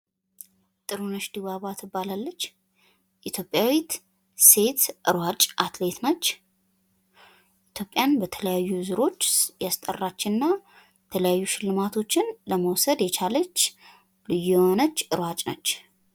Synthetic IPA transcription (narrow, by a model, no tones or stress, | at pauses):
t̪ʼɨɾunəʃd̪iβaβat̪ʰɨbːalalːət͡ʃː | ʔit̪ʰjo̞pʼjawit̪ | se̞t̪ʔɨɾwat͡ʃʼʔat̪le̞t̪nət͡ʃː | ʔit̪ʰjo̞pʼːjanbət̪ʰələjajːuzɨɾo̞t͡ʃːjast̪ʼə̰rːat͡ʃːɪnɨnːa | ɛt̪ʰələjajːuʃɪlːɨmat̪ʰo̞t͡ʃːɪnləməwsəd̪jɛt͡ʃʰalət͡ʃː | lɨjuwonət͡ʃːɨɾwat͡ʃʼnə̰t͡ʃː